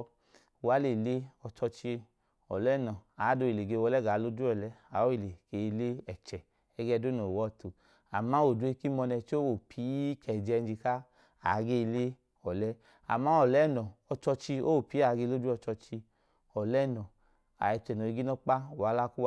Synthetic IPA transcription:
u˨a˨˦le˨le˦ɔ˧t͡ʃɔ˧t͡ʃi˧e˧ | ɔ˨lɛ˦˨nɔ˨a˨˦do˧i˨le˨ɡe˧wɔ˧˦lɛ˦ɡa˨˦lo˦du˦ɔ˨lɛ˦a˨o˦i˦˨le˨ɡ̥e˨˧le˦ɛ˨t͡ʃɛ˨ | ɛ˦ɡɛ˦˧˦do˦nɔ˨wɔ˦˨tu˨ | a˨ma˦o˨du˦e˦ki˦mɔ˧nɛ˧t͡ʃo˦wo˨pʰi˨˦kʰɛ˨d͡ʒɛ˧n˦d͡ʒi˧ka˦ | a˨˦ɡe˦˧le˦ | ɔ˨lɛ˦ | a̰˨ma˨˦ɔ˨lɛ˦˨nɔ˨ɔ˧t͡ʃɔ˧t͡ʃi˧o˦o˨pi˨˦a˨˦ɡe˧lo˦du˦ɔ˧t͡ʃɔ˧t͡ʃi˧ | ɔ˨lɛ˦˨nɔ˨ | a̰˨ɛ˧t͡ʃɛ˨nɔ˨i˧ɡi˦nɔ˦k͡pa˦u˨wa˨˦la˦ku˦˧

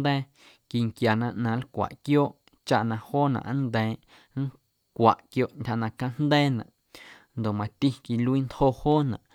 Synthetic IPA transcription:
d̪ɛ̃ː˦ | ki˧˨ŋkja˨nã˧ʔnã˨˧˦lkʷa̰˨ʔkjoː˦ʔ | t͡ʃa˦ʔnã˧hoː˦nã̰˨ʔnd̪ɛ̃ː˨ | ŋ̩˦ | kʷa̰˨ʔkjo˧ʔntʲha˧nã˧kã˦n̥d̪ɛ̃ː˦nã̰˨ʔ | nd̪o˨mã˧t̪i˦ki˧lu˦i˦nt̪ho˧hoː˦nã̰˨ʔ

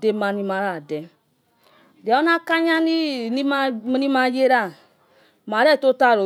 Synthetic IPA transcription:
de˦ma˨ni˦ma˨˦ɾa˨dɛ˨ | da˨o˦na˦ka˦ɲa˦ni˦i˦ma˦m˦ni˦ma˦je˦ɾa˦˨ | ma˨ɾɛ˦˨to˦ta˦˨ɾo˨

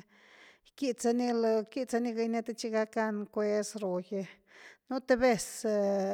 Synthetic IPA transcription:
ki˧t͡sa˧ni˦lki˦t͡sa˧ni˧ɡa˧ne˧t̪e˧t͡ʃi˦ɡa˧ka˧nkʷe˧sɾo˨je˧ | nu˦t̪e˧be˧s

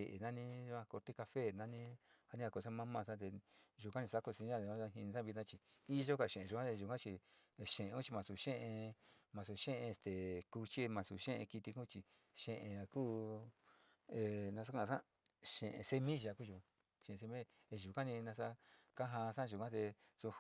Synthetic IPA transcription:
e˨ʔe˨nã˦˧nĩ˦˧ã˧ko˧ɾt̪i˦ka˧fe˦˨nã˦nĩ˦ha˧nĩ˦a˧ko˧˨sa˦mã˦mã˧˨sã˦t̪̬e˧ʒu˨˧˨kã˦nĩ˧sa˦ku˧si˧˦ã˦˨ã˦a˧ɦĩ˧nĩ˧sã˦βi˧nã˦˧t͡ʃi˧ | i˦ʒo˦ka˧˨ʃẽ˨ẽ˨ʒu˨˧kʷã˦t̪e˧ʒu˨kã˦t͡ʃi˧˨ | ʃẽ˨ʔẽ˧kũ˦t͡ʃi˧mã˧su˨ʃẽ˦ʔẽ˧mã˧su˨ʃẽ˦ʔẽ˧e˧st̪e˨ku˧t͡ʃi˦mã˧sṵ˨ʃẽ˦ʔḛ̃˧ki˧t̪i˧ku˦t͡ʃi˧ | ʃẽ˧ʔẽ˧a˧kuː˦ | e˧˨nã˧s̬a˦kã˧sã̰˦ | ʃḛ̃˨ʔḛ̃˧se˧mĩ˦ʒa˧ku˦ʒu˧kã˧ | ʃẽ˨˧se˧mĩ˦ | e˧˨ʒu˨kã˦nĩ˧nã˧sa˦ka˦ɦã˧sã˦˧ʒu˨kʷã˦t̪e˧ | su˧

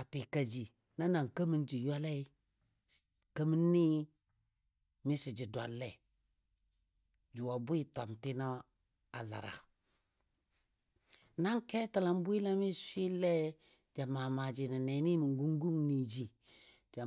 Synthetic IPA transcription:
a˨ti˨ka˨d͡ʒi˨ | na˦na˨ŋkə˦mi˦nd͡ʒi˨ja˦lɛ˦ | kə˦mi˦nːi˦ | mɪ˦sɪ˨d͡ʒɪ˨da˨lːɛ˨ | d͡ʒu˨wa˨bʊ˦i˦ta˨mtɪ˦na˦ | a̰˨la̰˨ɾa̰˨ | na˦ŋkɛ˦ta˨la˨m˦bwi˦la˦mi˦sʷi˦lɛ˦ | d͡ʒa˨maː˨ma˨d͡ʒi˨na˨nɛ˨˦ni˦mi˨ŋ˦ɡu˦ŋ˦ɡu˦ŋni˨d͡ʒi˨ | d͡ʒa˨

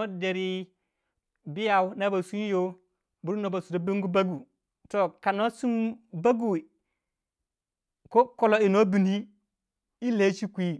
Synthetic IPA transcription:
o˦de˨ɾi˦ | bi˦ja˨wna˦ba˨su˦jo˦ | bu˨ɾu˦no˨ba˨su˨do˨˦bi˦ŋɡu˦ba˦ɡu˨ | to˨ka˨no˦su˦mba˦ɡu˨ | ko˦ko˨lo˨i˨no˦bi˨ni˦ | i˦le˦t͡ʃi˦kʷi˦

